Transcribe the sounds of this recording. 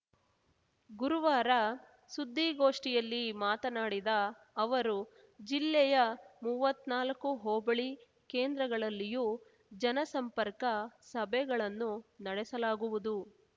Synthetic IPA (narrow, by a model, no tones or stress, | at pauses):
ɡuɾuʋaːɾɐ | sud̪ʱːiɡoːʂʈijɐlːimaːt̪ɐnaːɽid̪ɐː | ʋɐɾu | d͡ʒilːɛjɐmuːʋɐt̪ːnaːlɐkːuɦoːbɐɭi | ke̞ːnd̪ɾɐɡɐɭɐlːijuː | d͡ʒɐnɐsɐmpɐɾkɐsɐbʱɛɡɐɭɐnːunɐɽɛsɐlaːɡuʋud̪u